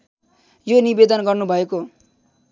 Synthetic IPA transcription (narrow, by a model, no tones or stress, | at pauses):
jonibed̪ʌnɡʌrnubʱʌeko